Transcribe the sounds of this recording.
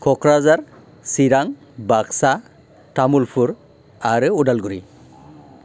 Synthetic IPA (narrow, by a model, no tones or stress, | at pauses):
kʰɔkɾazaɾ | siɾaŋ | baksa | tamulpʰuɾ | aɾɯudalɡuɾi